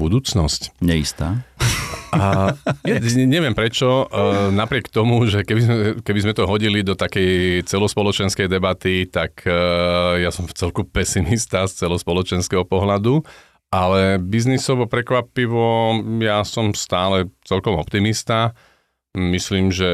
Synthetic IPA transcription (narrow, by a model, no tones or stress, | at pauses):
bud̪uːt͡snɔscɲɛḭst̪a̰ː | jaɲɛʋɪɛmpɾɛt͡ʃɔnapɾɪɛkt̪ɔmuʒɛkɛbizmɛkɛbizmɛt̪ɔɦɔɟilid̪ɔt̪akɛjt͡sɛlɔspɔlɔt͡ʃɛnskɛjd̪ɛbat̪it̪ak | jasɔmft͡sɛlkupɛsimist̪ast͡sɛlɔspɔlɔt͡ʃɛnskɛɦɔpɔɦlad̪u | ʔalɛbiznisɔʋɔpɾɛkʋapiʋɔjasɔmst̪aːlɛt͡sɛlkɔmɔpt̪imist̪a | misliːmʒɛ